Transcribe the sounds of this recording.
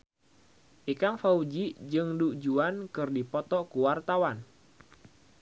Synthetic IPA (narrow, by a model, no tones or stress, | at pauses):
ʔikaŋfaud͡ʒid͡ʒɨŋdud͡ʒuankɨrdipɔt̪ɔkuwart̪awan